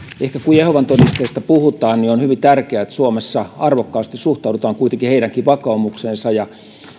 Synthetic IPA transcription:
ehkækujehoʋɑnt̪onist̪eˑst̪æpuhut̪ɑːnnionhyʋint̪ærkeæet̪ːsuomesːɑɑrʋokːɑːst̪issuht̪ɑˑudut̪ɑːŋkuit̪eŋkiheiɾæŋkiʋɑkɑumuksensɑjɑ

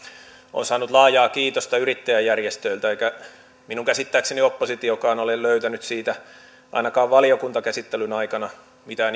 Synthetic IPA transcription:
o̰ːnsɑːnːut̪lɑːjɑːkiːt̪ost̪ɑyrit̪ːæjæjːærjest̪øilt̪æeikæ | minuŋkæsit̪ːæːkseniopːosit̪iokɑːnolelløyt̪ænyt̪siːt̪æ | ɑ̰inɑkɑːʋʋɑliokunt̪ɑkæsit̪ːelynɑikɑnɑ | mit̪æn

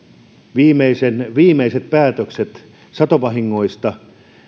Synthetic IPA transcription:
ʋiːmeisenʋiːmˑeiset̪̚pæːt̪økset̪ | sɑt̪opɑɦiŋːo̞ist̪ɑ

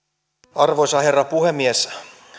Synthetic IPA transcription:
ɑrʋoisɑherːɑpuhemːies

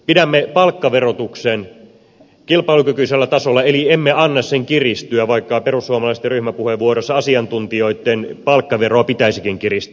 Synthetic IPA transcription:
pidæmːepɑlkːɑʋerot̪uksen | kilpɑilukykyiselːæt̪ɑsolːɑeliemːeɑnːɑsseŋkirist̪yæʋɑikːɑperusːuomɑlɑˑist̪ːˑeryhmæpuheʋːuorosːɑɑsiɑnt̪unt̪io̞it̪ːenpɑlkːɑʋeroɑpit̪æisikiŋkirist̪

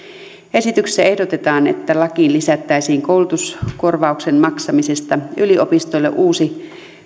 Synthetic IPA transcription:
e̞sit̪ykse̥sæe̞hdot̪et̪ɑːnḛt̪ːælɑkinlisæt̪ːæisiːŋko̞ulut̪usko̞rʋɑuksenmɑksɑmise̞st̪ɑyliopist̪ojlːḛʔuːsi

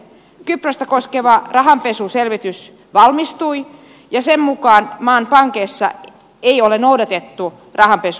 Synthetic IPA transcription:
kyprøst̪ɑkoskeʋɑrɑɦɑmpesuselʋit̪ys | ʋɑlmist̪ui | jɑsemmukɑːnmɑːnpɑŋkeːsːɑ̰ | eiolenoudɑt̪et̪ːu | rʔɑhɑmpesu

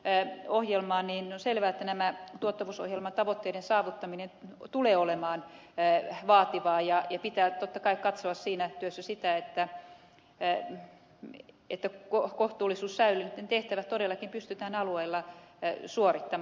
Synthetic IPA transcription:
ohjelmɑːnniːnonselʋæːet̪ːænæmæt̪uot̪ːɑʋuːso̰hjelmɑnt̪ɑʋot̪ːeiɾensɑːʋut̪ːɑminent̪uleːolemɑːn | ʋɑːt̪iʋɑːjɑjɑpit̪æːt̪ot̪ːɑkɑikkɑt̪soɑssiːnæt̪yøsːæsit̪æet̪ːæ | ḛt̪ːækokoht̪uːlːˑisuːssæylynt̪ːent̪eht̪æʋæt̪t̪odelːɑkimpyst̪yt̪æːnɑlueilːɑsuorit̪ːɑm

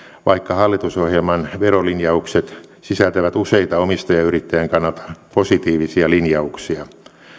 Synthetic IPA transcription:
ʋɑikːɑhɑlːit̪usohjelmɑnʋerolinjɑukset̪sisælt̪æʋæt̪useit̪ɑomist̪ojɑyrit̪ːæjæŋkɑnːɑlt̪ɑ̥posit̪iːʋisiɑlinjɑuksiɑ

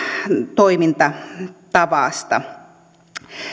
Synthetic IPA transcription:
t̪oimint̪ɑt̪ɑʋɑˑst̪ɑ̰

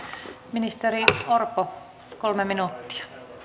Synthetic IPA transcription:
minist̪eɾiorpo | kolmeminut̪ːi̥ɑ̥

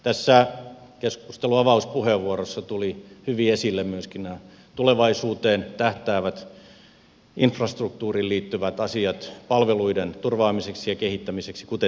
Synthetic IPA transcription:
t̪æsːæ | keskust̪eluɑʋɑuspuheʋːuorosːɑt̪ulihyʋiesilːemmyøskinnæː | t̪uleʋɑisuːt̪eːnt̪æht̪æːʋæt̪ | infrɑst̪ruk̚t̪uːrilliːt̪ːyʋæt̪ɑsiɑt̪pɑlʋeluident̪urʋɑːmiseksijɑkehit̪ːæmiseksi̥kut̪e

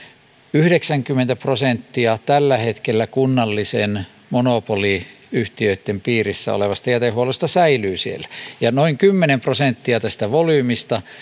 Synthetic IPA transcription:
yhɾeksæŋkymːˑent̪æprosent̪ːiɑt̪ælːæhet̪kelːækunːɑlːisen | monopoliyht̪iøit̪ːempiːrisːæ̰o̰leʋɑst̪ɑjæt̪ehuolest̪ɑsæilyːsielːæ̥jɑnoiŋkymːenemprosent̪ːiɑt̪æst̪æʋolyːmist̪ɑ

